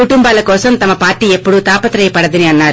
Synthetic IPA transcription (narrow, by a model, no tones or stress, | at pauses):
kuʈumbaːlɐkɔːsɐmt̪ɐmɐpaːɾʈiːe̞pːuɽut̪aːpɐt̪ɾɐjɐpɐɽɐd̪ɐniɐnːaːɾu